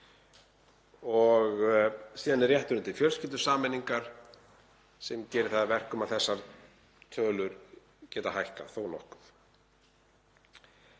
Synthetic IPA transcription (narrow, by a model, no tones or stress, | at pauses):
ɔɣsiːðanɪrjɛht̪ʏɾʏnt̪ɪlfjœlscɪlt̪ʏ̥saːmɛniŋkaɾ̥ | sɛmcɛːɾɪθaðavɛr̥kʏmaθɛsːaɾ | t̪ʰœːlʏɾ | cɛːt̪ahajhka̰θownɔ̰hkʏ̥f